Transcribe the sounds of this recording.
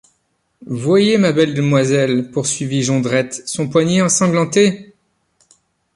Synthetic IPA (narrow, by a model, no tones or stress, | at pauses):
vwajemabɛld̪əmwazɛlpuʁsɥiviʒɔ̃d̪ʁɛt̪sɔ̃pwaɲeɑ̃sɑ̃ɡlɑ̃t̪e